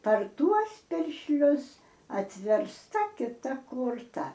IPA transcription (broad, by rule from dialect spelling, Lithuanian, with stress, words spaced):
pɐr ˈtuɔs pʲɪrʲʃʲˈlʲʊs ɐtʲʋʲɛrsˈtɐ kʲɪˈtɐ koːrˈtɐ